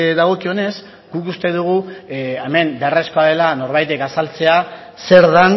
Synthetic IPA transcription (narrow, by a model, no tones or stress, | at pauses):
ðaɣ̞o̞kione̞s | ɡ̥ukust̪e̞ðuɣ̞ueme̞mbeare̞sko̞aðe̞lano̞ɾβajt̪e̞kasalt͡se̞a | se̞ɾðan